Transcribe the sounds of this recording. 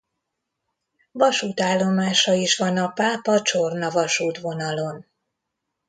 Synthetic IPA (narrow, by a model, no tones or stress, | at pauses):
vɒʃuːt̪aːlːo̞maːʃɒiʃʋɒnɒpaːpɒt͡ʃo̞rnɒvɒʃuːt̪ʋo̞nɒlo̞n